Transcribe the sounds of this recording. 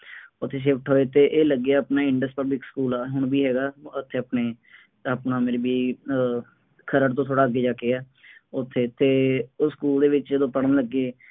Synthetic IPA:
ʊt̪ʰːeːʃ̬ɪpʰʈɦoːeːt̪eːʔeːləɡːeɛːəpnaːɪ̃ɳɖəsʈpəblɪkskuːlaːɦʊɳbiːɦɛːɡaːʊt̪ʰːeːəpneː | əpnaːmeːɾebiː | kʰəɾəɾt̪õːt̪ʰoːɽaːəɡːeːd͡ʒaːkeɛː | ʊt̪ʰːeːt̪ʰːeːskuːld̪eːʋɪt͡ʃd͡ʒəd̪õːpəɽənləɡːeː

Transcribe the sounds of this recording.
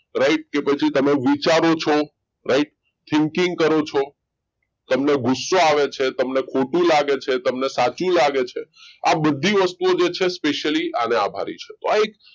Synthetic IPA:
ɾaiʈ̚kepət͡ʃʰit̪əmeʋit͡ʃaɾot͡ʃʰɔ | ɾaiʈ̚ | t̪ʰɪŋkiŋɡkəɾot͡ʃʰɔ | t̪əmneɡʊsːoaʋet͡ʃʰet̪əmnekʰoʈũlaɡet͡ʃʰet̪əmnesat͡ʃũlaɡet͡ʃʰeabəd̪ʱːiʋəst̪uod͡ʒet͡ʃʰespeʃəlianea̰bʱa̰ɾḭt͡ʃʰe̥t̪oaek

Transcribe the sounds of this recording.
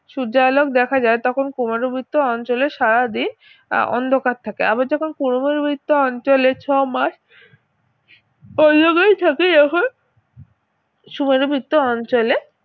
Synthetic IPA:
ʃud͡ʑalokd̪ɛkʰad͡ʑaet̪ɔkʰonkumaɾubʱit̪ːoɔnt͡ɕoleʃaɾad̪in | ɔ̰nd̪ʱokaɾ̚t̪ʰakea̰baɾd͡ʑɔkʰonkunomeɾubʱit̪ːoɔnt͡ɕolet͡ɕʰɔmaʃ | ɔoɡejt̪ʰakeɔkʰon | ʃumeɾubʱit̪ːoɔnt͡ɕole

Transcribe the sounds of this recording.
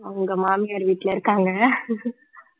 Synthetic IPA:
ɐɐŋɡɐmaːmɪjaːɾʋiːʈːɪlɐɪɾɯkːaːŋɡɐ

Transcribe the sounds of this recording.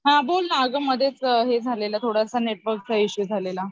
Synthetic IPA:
ɦãbolnaəɡəmːəd̪ʱjet͡sɦed͡zʱalelat̪ʰoɽjasaneʈʋəɾk̚t͡saiɕid͡zʱalela

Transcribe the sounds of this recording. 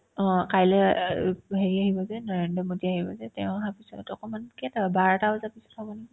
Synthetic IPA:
ɔ̃kajlɛ | ɦeɹiaɦibɔzɛnɔɹendɔmodiaɦibɔzɛtɛʊ̃aɦapisɔtɔkɔmankɛtabaɹtaazapisɔ̥tʰabɔniɡi

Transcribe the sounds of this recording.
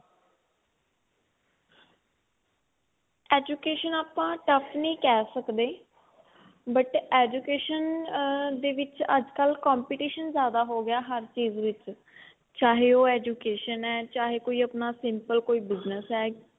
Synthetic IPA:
ɛːd͡ʒuːkeːʃənaːpãːʈəpʰnĩːkɛːsəkd̪eː | bəʈɛːd͡ʒuːkeːʃən | d̪eːʋɪt͡ʃəd͡ʒkəlkaːmpiːʈiːʃənzjaːd̪aːɦoːɡɪjaːɦəɾt͡ʃiːzʋɪt͡ʃ | t͡ʃaːɦeːoːɛːd͡ʒuːkeːʃənɛːt͡ʃaːɦeːkoːiːəpnaːsɪmpəlkoːiːbɪznəsɛː

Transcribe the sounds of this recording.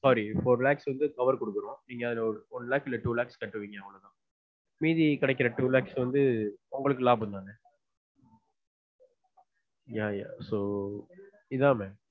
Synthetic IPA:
saːɾifoːɾlaːksʋɐnd̪ɯkɐʋɐɾkɔɽɯkːɯɾõːniːŋɡɐːðɪlɐɔɔnlaːkɪlɐʈuːlaːkskɐʈːɯʋiːŋɡɐɐʋɐlɐt̪ãː | miːðikɪɽɛk̬ːɪɾɐʈuːlaːksʋɐnd̪ɯʊŋɡɐɭɯk̬ːɯlaːp̬ɯnd̪aːŋɐ | jaːja̰ːsoː | ɪðãːmeːm

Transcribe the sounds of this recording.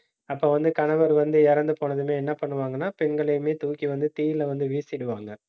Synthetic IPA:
ɐpːoːʋɐnd̪ɯkɐɳɐʋɐɾʋɐnd̪ɯɛɾɐnd̪ɯpoːɳɐðɯmeːɛnːɐpɐɳːɯʋaːŋɡɐnːaːpɛnɡɐɭɐjɯmeːt̪uːkːiʋɐnd̪ɯt̪iːjɪlɐʋɐnd̪ɯʋiːsɪɽɯʋaːŋɡɐ

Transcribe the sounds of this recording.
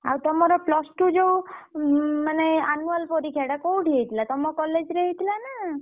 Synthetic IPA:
a̰wt̪ɔmaɾɔplɔsʈud͡ʒew | maneanualpɔɾikʰeɽakowɖʱeit̪ʰlat̪ɔmokɔled͡ʒɾeɦit̪lana

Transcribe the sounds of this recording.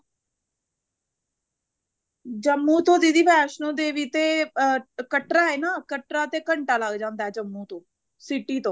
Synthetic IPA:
d͡ʒəmːũːt̪õːd̪iːd̪iːpɛːʃnõːd̪eːʋiːt̪eː | kəʈɾaːeːnaːkəʈɾaːt̪eːkəɳʈaːləɡd͡ʒãːnd̪aːɛːd͡ʒəmːuːt̪õː | sɪʈiːt̪õː

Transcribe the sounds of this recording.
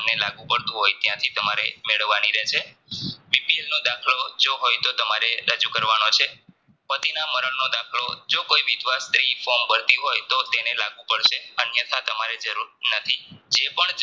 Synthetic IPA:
nelaɡũpəɽt̪ũɦojt̪jãt̪ʰit̪əmaɾemeɭəʋːaniɾɛt͡ʃʰe | ʋipielnod̪akʰlod͡ʒoɦojt̪ot̪əmaɾeɾəd͡ʒukəɾʋanot͡ʃʰe | pət̪inaməɾəɭnod̪akʰlod͡ʒokoiʋɪd̪ʋast̪ɾifombʱəɾt̪iɦojt̪ot̪enelaɡʋũpəɽʃeənjət̪ʰat̪əmaɾed͡ʒəɾuɾnət̪ʰid͡ʒepəɳ

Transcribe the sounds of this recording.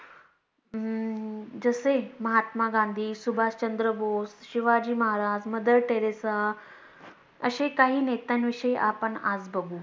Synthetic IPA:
d͡zəseməɦat̪maɡãnd̪ʱiːsubʱaːst͡ɕənd̪ɾəbosɕiʋad͡ʑiːməɦaɾaːd͡ʑməd̪əɾʈeɾesa | əɕekaɦiːnet̪anʋiʂəiʔapəɳad͡zbəɡuː

